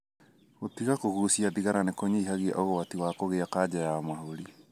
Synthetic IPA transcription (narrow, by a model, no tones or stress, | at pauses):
ɣotiɣakohuɾusiaðiɣaɾanekoɲiiɦaɣia̰ʔoɣowatiwakoɣeakaːd͡ʒajamaɦoɾi